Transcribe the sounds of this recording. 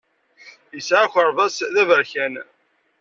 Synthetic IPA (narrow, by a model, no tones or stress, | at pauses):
jəsʕaçʷəɾˤvæsðævəɾçæn